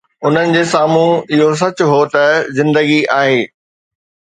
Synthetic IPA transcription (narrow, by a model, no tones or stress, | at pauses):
ʊn̤ənɪ̆d͡ʑeːsaːmũɪɦos̬ɐt͡ɕʊɦot̪ɐzɪ̃nd̪əɡiaːɦeː